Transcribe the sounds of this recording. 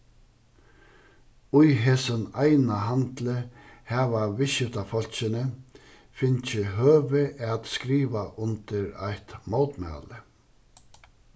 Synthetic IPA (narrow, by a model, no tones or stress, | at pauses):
ʊjɦɛːsənajnaɦant̪ləhæːʋaʋɪʃɪt̪afɔl̥t͡ʃɪnə | fɪnt͡ʃɪɦøːʋɪʔat̪skɾiːʋaʔʊnt̪ɪɾa̰jht̪mowt̪mæ̰ːlə